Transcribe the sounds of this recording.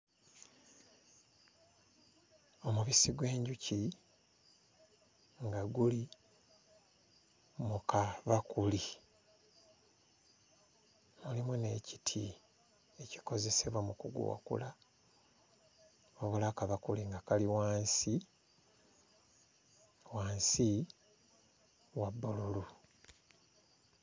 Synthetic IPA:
o̞muβisiɡwe̞ːɲɟuci | ŋɡaɡuli | mukaβakuli | mulimune̞ci̥tʰi | e̞ci̥ko̞ze̞se̞βwamukuɡṵa̰kṵla | oβulakaβakuliŋɡakaliwaːnsi | waːnsi | wabːolulu

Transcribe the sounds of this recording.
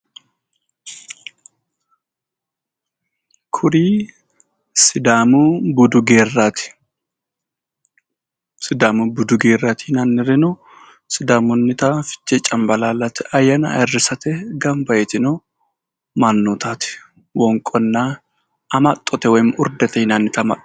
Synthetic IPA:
kʰʊɾiː | sɪd̪aːmubʊd̪ʊɡeːrːaːt̪ɪ̥ | sɪd̪aːmʊbʊd̪ʊɡeːrːat̪ʰinɐnːɪɾɛnɔ | sɪd̪aːmʊnːɪt̪afɪ̥t͡ʃːɛt͡ʃʼːɐmbɐlaːlːɐt̪ɛʔɐjːɐnɐ̰ɛrːɪsɐt̪ɛɡɐmbɐjɛt̪ɪno | manːɔt̪ʰaːt̪ɪ̥ | wɔŋkʼɔnːa | ɐmɐt̪ʼːɔt̪ɛwɔmʊɾd̪ɛt̪ɛhɪnaːnːɪt̪ɐmɐ

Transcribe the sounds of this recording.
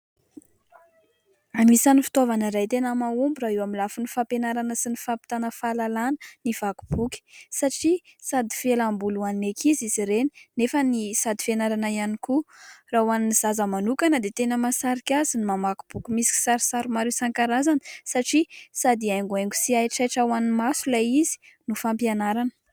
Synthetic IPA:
amisanifi̥t̪ovanəɾajt̪enəmaumbuɾaewamilafunifapenaɾanəsinifapi̥t̪anəfalalanənivaku̥b̥ukʲi̥saʈ͡ʂisad̪i̥felambuluaninekʰiziziɾeninefənisad̪i̥fenaɾanaianikurawaniniz̥azəmanukanəd̪et̪enəmasaɾikʲazinimamaku̥b̥ukʲimisi̥kʲi̥saɾisaɾumaɾisaŋkaɾazani̥saʈ͡ʂisad̪iajŋɡuajŋɡu̥siajʈ͡ʂajʈ͡ʂawanimasulaizi̥ | nufampjanaɾanə̥

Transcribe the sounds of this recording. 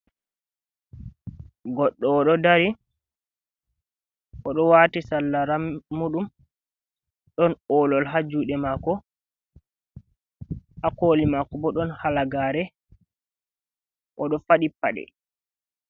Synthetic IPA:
ɡɔɗːɔːɗɔdaɾi | ʔɔɗɔwaːtisalːaɾamːuɗum | ɗɔnɔːlɔlɦad͡ʒːuɗɛmakɔ | ʔakoːlimakɔbɔɗɔnhalaɡaːɾɛ | ʔɔɗɔfaɗipːa̰ɗɛ̰

